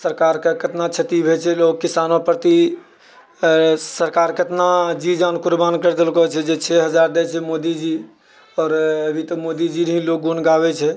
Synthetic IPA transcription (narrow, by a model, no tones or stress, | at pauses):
səɾkaɾkekət̪nat͡ʃʰət̪ibʱet͡ʃʰɛlokːisanopəɾt̪i | səɾkaɾkət̪nad͡ʒid͡ʒankuɾbankəɾd̪elkɔt͡ʃʰɛd͡ʒet͡ʃʰɛɦəd͡ʒaɾd̪ɛt͡ʃʰɛmod̪id͡ʒi | ɔːɾəbʱit̪ɔmod̪id͡ʒinɦĩlok̚ɡunɡabɛt͡ʃʰɛ